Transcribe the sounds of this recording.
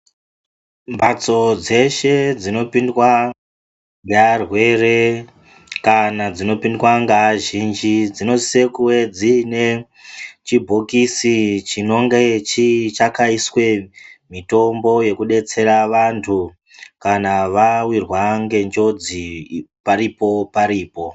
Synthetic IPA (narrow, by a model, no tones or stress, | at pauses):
mbat͡so̞d͡ze̞ʃe̞d͡zino̞pindwa | ŋɡarwe̞re̞ | kanad͡zino̞pindwaŋɡaʒind͡ʒid͡zino̞sisekuwe̞d͡zine̞ | t͡ʃibʱokisit͡ʃino̞ŋɡet͡ʃit͡ʃakaiswe̞mito̞mbo̞je̞kuɗe̞t͡se̞ɾaʋantʰu | kanaʋawirwaŋɡe̞nd͡ʒo̞d͡zipaɾipo̞paɾiːpo̞